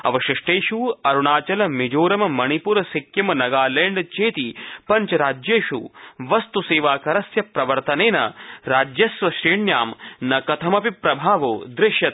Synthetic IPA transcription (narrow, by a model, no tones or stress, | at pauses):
ɐ̰ʋɐʃɪʂʈeːʃuɐɾuɳaːt͡ʃɐlɐmid͡ʒoːɾɐmɐmɐnipuɾɐsikjɐmɐnɐɡaːleːɳɖt͡ʃeːt̪ipɐɲt͡ʃɐɾaːd͡ʒjeːʃṵʋɐst̪useːʋaːkɐɾɐsjɐpɾɐʋɐɾt̪ɐneːnɐ̰ɾaːd͡ʒjɐsʋɐʃɾiːɳjaːmnɐkɐt̪ʰɐmɐpipɾɐbʱaːʋo̰ːd̪ɾɪʃjɐt̪̚